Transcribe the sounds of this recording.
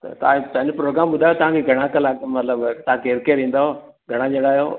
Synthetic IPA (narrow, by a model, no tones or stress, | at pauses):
t̪ɐ̰t̪ɐãpɐ̃ɦɪ̃ɲd͡ʑpɾoːɡɾaːmɓʊd̪ʱaːjot̪ɐʋ̤ãkʰeɡʱɐɽ̃ãkɐlaːkmɐt̪ləbt̪ɐɦãkeːɾkeɾĩːnd̪aɦoː | ɡʱɐɽ̃ãd͡ʑeɽaːjoː